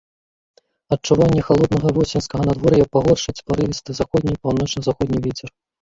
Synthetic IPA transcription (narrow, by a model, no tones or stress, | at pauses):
ɐt͡ʂuvanʲːɐxalˠɔd̪nɐɣɐvɔsʲɛnskɐɣɐnad̪vɔɾjɐpaɣɔrʂɐt͡sʲpaɾɨvʲist̪ɨzaxɔd̪ʲnʲipɐwnɔt͡ʂnɐzaxɔd̪ʲnʲivʲɛt͡sʲɛr